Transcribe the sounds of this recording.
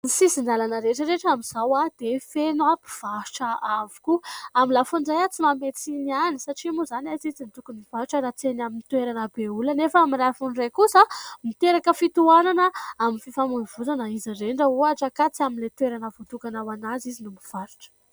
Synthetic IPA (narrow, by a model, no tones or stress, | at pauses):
nisisind̪alanəɾeʈ͡ʂəɾeʈ͡ʂamiz̥awad̪̥efenapi̥v̥au̥ʈ͡ʂəavu̥kuamilafuɳɖ͡ʐajat͡simamet͡sinianisaʈ͡ʂimuzanazit͡sinit̪ukuniv̥aɾʈ͡ʂəɾat͡senaminit̪weɾanəbeulanefəamirafunrajkusamit̪eɾakəfit̪uananəaminfifamunvutanəizireɳɖ͡ʐəuaʈ͡ʂakat͡siaminlet̪weɾanəvot̪ukanawanazizinumiv̥aɾu̥ʈ͡ʂə̥